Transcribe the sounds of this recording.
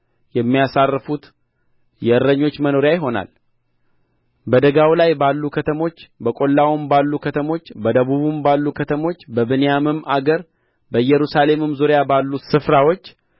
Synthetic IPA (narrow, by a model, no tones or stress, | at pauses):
jɛmːijasarːfut̪ | jɛɨɾːəɲːo̞t͡ʃːməno̞ɾjajɪɦo̞na̰l | bəd̪əɡawlajbalːukʰət̪ʰəmo̞t͡ʃːbəkʼo̞lːawɨmbalːukʰət̪ʰəmo̞t͡ʃːbəd̪əβuβumbalːukʰət̪ʰəmo̞t͡ʃːbəβɨnejamɨmʔaɡəɾ | bəjːɛɾusale̞mɨmzuɾejabalːusɨfɾawo̞t͡ʃː